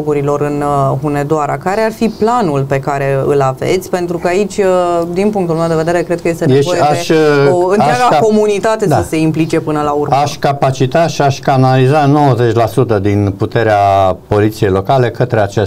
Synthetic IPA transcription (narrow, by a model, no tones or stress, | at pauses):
ɡuɾilo̞ɾɨnɦune̞d̪oaɾakaɾe̞arfiplanulpe̞kaɾe̞ɨ̰lavḛt̪sʲpe̞nt̪ɾukəait͡ʃʲd̪inpuŋkt̪ulmewd̪eve̞d̪eɾe̞kɾe̞d̪̚kəjest̪eneeʃoeaeoɨnɾaɡako̞munit̪at̪e̞d̪əse̞implit͡ʃe̞pɨnəlauraʃkapat͡ʃit̪aʃiaʃʲkanalizano̞wəze̞t͡ʃʲlasut̪əd̪input̪e̞ɾeapo̞lit̪sije̞jlo̞kale̞kət̪ɾeat͡ʃes